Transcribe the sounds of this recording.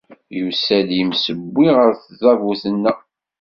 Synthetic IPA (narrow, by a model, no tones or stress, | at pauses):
jusædjəmsəbːiʁəɾθzˤɑvuθənːæ